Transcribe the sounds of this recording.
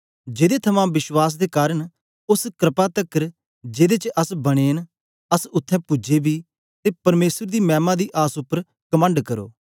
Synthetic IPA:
d͡ʒeːd̪et̪ʰɐmãːʋɪswaːs̬d̪eːkaːɾəɽ | ʊskɾɪpat̪əkəɾ | d͡ʒeːd̪eːt͡ʃəʔɐsbɐɽ̃eːn | ɐsʊt̪ʰːɛ̃ːpʊd͡ʒeːbiː | t̪eːpɐɾmeːsəɾd̪iːmɛ̃ːmãːd̪iːʔaːsʊpːəɾ | kəmə̃ɳɖkɐɾo̰ː

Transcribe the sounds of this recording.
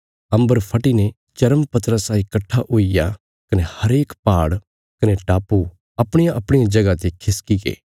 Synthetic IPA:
ɐ̃mbəɾpʰɐʈine | t͡ʃɐɾəmpɐt̪ɾəsaːikɐʈʰːaʔoːija | kɐnehɐɾeːkpaːɽ | kɐneʈaːpːu | ɐpɽ̃ɪjãʔɐpɽ̃ɪjad͡ʒɐɡat̪ekʰɪskikḛː

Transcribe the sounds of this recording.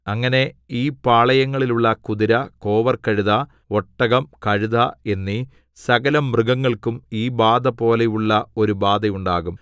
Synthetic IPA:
ɐŋːɐne̞iːpaːɭɐjɐŋːɐɭiluɭːɐkuðiɾɐko̞ːʋɐrkɐɻuðɐ | oʈːɐɣɐmkɐɻuðɐe̞nːi | sɐɣɐlɐmːrɨɡɐŋːɐɭkumiːbaːd̪ɐpo̞ːlejuɭːɐo̞ɾubaːd̪ɐjuɳɖaːɣum

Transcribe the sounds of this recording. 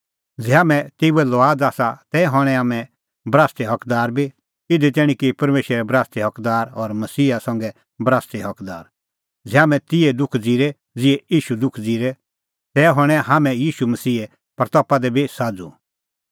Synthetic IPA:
d͡zɛɦaːmɛ̃t̪eːuɛlɔaːd͡zaːsat̪ɛːɦɔɽ̃ɛ̃ɦaːmɛ̃ | bɾaːst̪ɛɦɐkd̪aːɾbʱi | ɪd̪it̪ɛːɽ̃ĩkipɐɾmeːʃɾɛɾɛbɾaːst̪iɦɐkd̪aːɾɔɾmɐsiːasãŋɡɛ | bɾaːst̪iɦɐkd̪a̰ːɾ | d͡zɛaːmɛ̃t̪ɪɛd̪ʊkʰd͡ziːɾɛ | d͡zɪɛiːʃud̪ʊkʰd͡ziːɾɛ | t̪ɛːɦɔɽ̃ɛ̃ɦaːmɛ̃jiːʃumɐsiːe | pɾɐt̪ɔːpad̪ɛbʱisaːd͡zu

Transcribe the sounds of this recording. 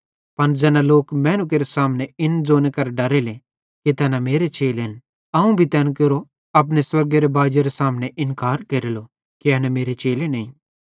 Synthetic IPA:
pɐnd͡zɛːnaloːkmɛːnʊk̬eɾesaːmneɪnd͡zoːnekɐɾɖɐɾele | kit̪ɛːnameːɾet͡ʃeːlen | ɐũbʱit̪ɛːnkeɾo | ɐp̬neswɐɾɡeɾebaːd͡ʒeɾesaːmneʔɪnkaːɾkɐɾilo | kiɛːnameːɾet͡ʃeːlenɐĩː

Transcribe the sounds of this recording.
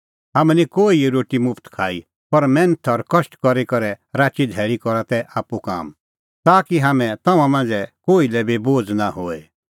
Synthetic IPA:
ɦɐmɛnikoːiɾoːʈimʊpʰt̪kʰaːi | pɐɾmɛ̃nət̪ʰɔɾkɐʃʈkɔɾekɐɾɛɾaːt͡ʃid̪ʱɛːɭikɔɾat̪ɛʔaːpuka̰ːm | t̪aːkiɦaːmɛ̃t̪ɐ̃mãmãːnd͡zɛkoːilɛbiboːd͡znahoːe

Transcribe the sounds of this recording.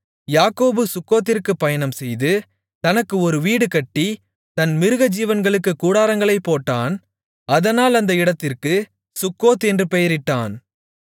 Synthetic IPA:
jaːkoːbɯsʊkːoːt̪̬ːɪrkɯpːɐjɐnɐmsɛjðɯ | t̪ɐnɐkːɯɔɾɯʋiːɽɯkɐʈːi | t̪ɐnmɪɾɯɣɐd͡ʒiːʋɐnɡɐɭɯkːɯkuːɽaːɾɐŋɡɐɭɐɪpːoːʈːaːn | ɐðɐnaːlɐnd̪ɐɪɽɐt̪ːɪrkɯ | sʊkːoːt̪ɛndrɯpɛjɐɾɪʈːaːn

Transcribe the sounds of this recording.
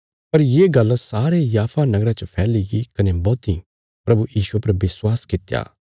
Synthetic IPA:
pɐɾjeːɡɐlsaːɾejaːpʰanɐɡɾat͡ʃəpʰɛːlɪɡikɐnebɔːt̪i | pɾɐbujiːʃuepɐɾbɪswaːskɪt̪ja̰ː

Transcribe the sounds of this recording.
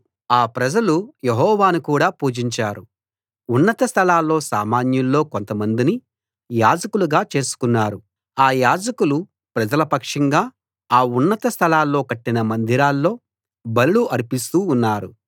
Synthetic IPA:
aːpɾɐd͡ʒɐlujeɦɔːʋaːnukuːɽaːpuːd͡ʒiɲt͡ʃaːɾu | unːɐt̪ɐst̪ʰɐlaːlːo̞ːsaːmaːnjɐllo̞ːko̞nt̪ɐmɐnd̪ini | jaːd͡ʒɐkuluɡaːt͡ʃe̞ːsu̥kunːaːɾu | aːjaːd͡ʒɐkulu | pɾɐd͡ʒɐlɐpɐkʂɐŋɡaː | aːunːɐt̪ɐst̪ʰɐlaːlːo̞ːkɐʈːinɐmɐnd̪iɾaːlːo̞ː | bɐluluʔɐɾipist̪uːnːaːɾu

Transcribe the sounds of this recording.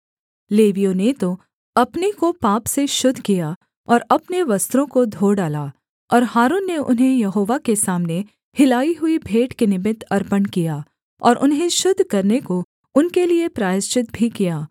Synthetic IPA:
leːʋijõnet̪o | ɐpnikopaːpseʃʊd̪ʱːkija | ɔːɾɐpneʋɐst̪ɾõkod̪ʱoːɖaːlaː | ɔːɾɦaːɾuːnːeʔʊ̰nɦẽjɐɦoːʋakesaːmne | hɪlaːiɦʊibʱeːʈkenɪmɪt̪ʰɐɾpənkijaː | ɔːɾʔʊnɦẽʃʊd̪ʱːkɐɾneko | ʊnkeliepɾaːjɪst͡ʃɪt̪̚bʱikijaː

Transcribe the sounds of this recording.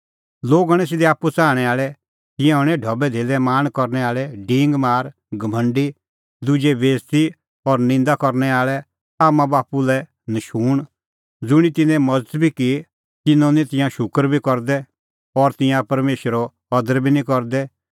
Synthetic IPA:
loːɡaɽ̃ɛs̬ɪd̪ɛaːpːut͡saːɽ̃ɛaːɭɛ | t̪ɪ̃jãɦɔɽ̃ɛɖʱɔbɛd̪ʱeːlɛmaːñkɔɾnɛaːɭɛɖɪ̃ːŋɡmaːɾ | ɡʱɐmʱə̃ɳɖi | d̪ʊd͡ʒeʋeːst̪i | ɔɾnɪ̃nd̪akɔɾnɛaːɭɛ | aːmãbaːpulɛ | nɐʃuːɽ̃ | d͡zʊɽ̃it̪ɪnɛ̃mɐd͡zət̪bʱiki | t̪ɪnɔ̃nĩt̪ɪ̃jãʃʊkəɾbʱikɔɾd̪ɛ | ɔɾt̪ɪ̃jãpɐɾmeːʃəɾɔ | ɐd̪əɾbʱinĩkɔɾd̪ɛ

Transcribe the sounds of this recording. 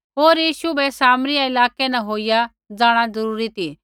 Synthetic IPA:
ɦoːɾjiːʃubʱɛsaːmɾijaɪlaːkenãɦoːija | d͡zaːɽ̃ad͡zɐɾuːɾit̪ʰiː

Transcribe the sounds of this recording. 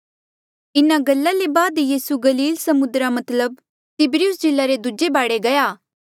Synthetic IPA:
ɪnaɡɐlːalebaːd̪jiːsuɡɐliːlsɐmʊd̪ɾamɐt̪ləb̚ | t̪ɪbɾiʊsd͡ʒɪlːaɾed̪ʊd͡ʒebaːɽeɡɐjaː

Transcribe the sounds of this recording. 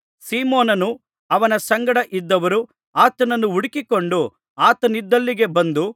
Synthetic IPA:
siːmoːnɐnu | ɐʋɐnɐsɐŋɡɐɽɐʔid̪ːɐʋɐɾu | aːt̪ɐnɐnːuuɽikiko̞ɳɖu | aːt̪ɐnid̪ːɐlːiɡe̞bɐnd̪u

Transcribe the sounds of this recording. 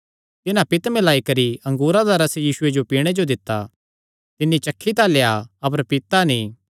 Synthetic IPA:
t̪ɪnãpɪt̪mɪlaːikɐɾiɐ̃ŋɡuːɾad̪aɾɐsjiːsʊed͡ʒopiːɽ̃ed͡ʒod̪ɪt̪ːa̰ | t̪ɪnːit͡ʃɐkʰːit̪aleːjaɐp̬əɾpɪt̪anĩː

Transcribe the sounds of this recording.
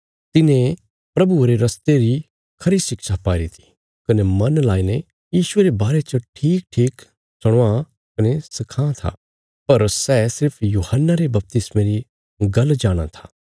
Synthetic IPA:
t̪ɪnẽ | pɾɐbuɾeɾɐst̪eɾi | kʰɐɾisɪkʃapaːɾit̪ʰi̥ | kɐnemɐnlaːine | jiːʃʊeɾebaːɾet͡ʃɐʈʰiːk̚ʈʰiːk | sɐɽ̃ʋa | kɐnesɪkʰãːt̪ʰa̰ | pɐɾsɛːsɪɾpʰjuːhənːaɾebɐp̚t̪ɪsmẽɾi | ɡɐld͡ʒaːɽ̃a̰t̪ʰḁː

